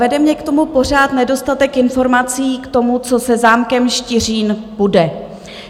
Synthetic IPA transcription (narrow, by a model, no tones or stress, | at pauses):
vɛdɛmɲɛkt̪o̞mupo̞r̝aːt̪nɛdo̞st̪at̪ɛkɪnfo̞ɾmat͡siːkt̪o̞mut͡so̞sɛzaːmkɛmʃcɪr̝iːnb̥udɛ